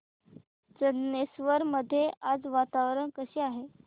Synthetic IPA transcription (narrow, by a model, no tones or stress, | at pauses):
d͡zənːesʋəɾməd̪ʱːjead͡zʋat̪aʋɾəɳkəɕeːaɦe